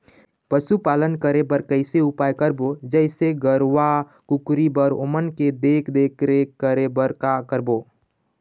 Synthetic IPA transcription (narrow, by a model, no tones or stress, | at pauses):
pəsupalənkəɾebəɾkəɪseupajkəɾbod͡ʒəɪseɡəɾʋa | kukɾibəɾo̰ːmənked̪eːkʰd̪eːkɾekəɾebəɾkakəɾboː